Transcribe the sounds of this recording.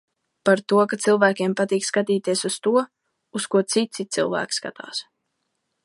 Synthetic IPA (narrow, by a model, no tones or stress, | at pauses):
paɾt̪uɔkat̪silˠvæːkʲiɛmpat̪iːkskat̪iːt̪iɛsust̪uɔ | uskuɔt̪sit̪sʲit̪silˠvæ̰ːkʲska̰t̪a̰ːs